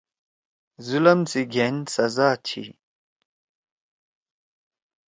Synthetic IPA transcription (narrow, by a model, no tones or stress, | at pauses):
zulɐmsiɡʱensɐzaːt͡ɕʰḭ